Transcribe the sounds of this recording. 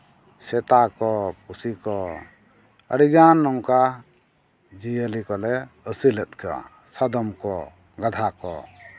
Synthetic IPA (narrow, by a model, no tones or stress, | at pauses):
sɛt̪akɔpusikɔ | ə̰ɾiɡanːɔŋka | d͡ʒijəlikɔlɛ | əsilɛt̪̚kʰɛwa̰ | sad̪ɔmkɔ | ɡad̪ʱakɔ̰